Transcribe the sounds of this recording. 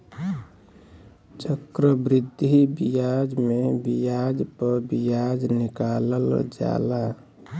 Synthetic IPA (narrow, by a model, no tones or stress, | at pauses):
t͡ʃəkɾəbɾɪd̪ʱibijad͡ʒmebijad͡ʒpəbijad͡ʒnikaləld͡ʒa̰la